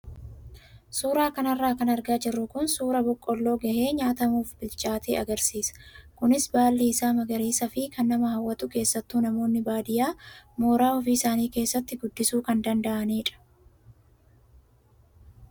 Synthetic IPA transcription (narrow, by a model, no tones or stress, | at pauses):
suːɾaːkɐnɐrːaːkɐnɐɾɡaːd͡ʒɪrːʊkʊnsuːɾɐbɔkʼːɔlːo̞ːɡɐheːɲaːt̪ɐmuːfbɪlt͡ʃʼaːt̪ʰeːɐɡɐɾsiːsɐ̥kʊnɪsbaːlːiːɪsaːmɐɡɐɾeːsɐfɪkɐnːɐmɐhɐwːɐt̪ʊke̞ːsːɐt̪ːuːnɐmo̞ːnːɪbaːd̪ɪjaːmoːɾaːɔfiːsaːniːke̞ːsːɐt̪ːɪɡʊd̪ːɪsuːkɐnd̪ɐnd̪ɐʔɐneːᶑɐ̥